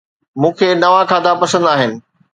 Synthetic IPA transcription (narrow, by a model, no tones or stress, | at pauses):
mũːkʰeːnɐʋãkʰaːd̪ʱapɐsə̃nd̪aːɦɪnɪ̆